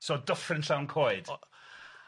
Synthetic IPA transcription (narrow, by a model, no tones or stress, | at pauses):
sodəfrɪnɬawnkʰoːɨd̥